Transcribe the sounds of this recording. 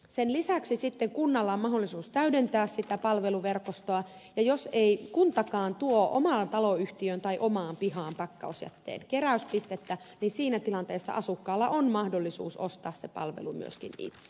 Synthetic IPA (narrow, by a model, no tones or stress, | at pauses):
senlisæksisit̪ːeŋkunːɑlːɑommɑɦolːisuːst̪æydent̪æːssit̪æpɑlʋe̞luʋerkost̪oɑjɑjoseikunt̪ɑkɑːnt̪uoʔo̰mɑnt̪ɑloyht̪iønt̪ɑiʔomɑːmpihɑːmpɑkːɑ̰osjɑ̰t̪ːḛːnkeræyspist̪et̪ːæ | ninsiːnæt̪ilɑnt̪eːsːɑ̰ʔɑsukːɑːlːɑ̰ʔonmɑhdolːisṵːso̰st̪ɑːssepɑ̰lʋḛlumy̰ø̰skḭnḭt̪se̥